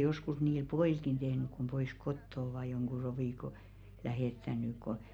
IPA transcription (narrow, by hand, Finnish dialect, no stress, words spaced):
joskus niːl poiˑlkin tehnyk̆ kum pois kotːo oʋɑˑ joŋɡ̊u roʋiˑko læheˑtːænˑy ko